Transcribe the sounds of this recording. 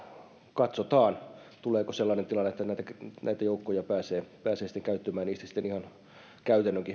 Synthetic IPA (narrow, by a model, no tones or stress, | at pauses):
kɑt̪sot̪ɑːnt̪uleːkoselːɑːnent̪ilɑnːet̪ːænæit̪ænæit̪æjoukːojɑpæːseːpæːseːsit̪ːeŋkæyt̪ːømæːniːst̪æsi̥t̪ːenihɑn | kæyt̪ænːøŋki